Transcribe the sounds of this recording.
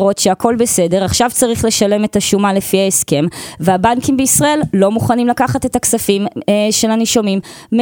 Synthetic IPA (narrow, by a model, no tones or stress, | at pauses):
ʁo̞t̪ʃeako̞lbese̞de̞ʁaχʃavt͡saʁiχle̞ʃale̞me̞taʃumale̞fiaeske̞mveabankimbeisʁae̞llo̞muχanimlakaχate̞taksafimʃe̞laniʃomimː